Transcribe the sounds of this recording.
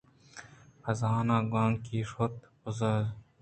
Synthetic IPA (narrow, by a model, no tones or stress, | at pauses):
xɐzɑːnaːɡãːŋkiːʂot̪̚ | ʊzɐ